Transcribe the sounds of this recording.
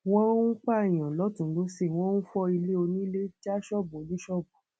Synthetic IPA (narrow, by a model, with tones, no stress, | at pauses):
w̃ɔ̃˦n̩˦k͡pa˦˨j̃ã˨lɔ˨˦tũ˨˦lo˦se˦˨w̃ɔ̃˦nũ˦fɔ˦i˧le˦o˧nĩ˦i˦le˦ti˦a˦ʃɔ˦˨blĩ˦ʃɔ˦bu˨